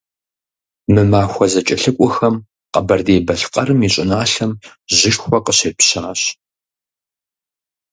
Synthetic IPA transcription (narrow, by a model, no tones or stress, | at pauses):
mɨmaːxʷɔzɐt͡ʃʼɐɬɨkʷʼɔxɐm | qɐbɐrdeːbɐɬqʼɐrɨmiɕʼɪnaːɬɐmʑɪʃxʷɔqəɕeːpɕɐʁɐɕ